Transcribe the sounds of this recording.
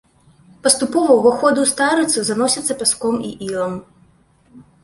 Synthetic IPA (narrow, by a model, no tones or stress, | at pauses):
pɐst̪upɔvɐwɣɔxɔd̪ɨwst̪aɾɨt̪suzanɔsʲɐt̪sːɐpʲaskɔmḭʔilˠɐm